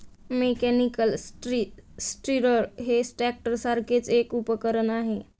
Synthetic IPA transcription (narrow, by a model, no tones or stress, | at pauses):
mekɛnikəlsʈɾisʈɾiɾəɾɦesʈɾɛk̚ʈəɾsaɾket͡ʃekupəkəɾənaɦẽ